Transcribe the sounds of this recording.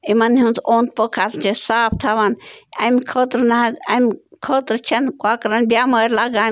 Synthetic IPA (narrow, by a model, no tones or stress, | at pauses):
imɐnɦũnt͡soːnt̪̚pokʰaːsd͡ʒesaːpʰt̪ʰaːʋanɐmkʰot̪ɾnaɐmʲkʰoːt̪ɾt͡ʃʰɐnkwaːkɾɐnbjaːməɾlaːɡaː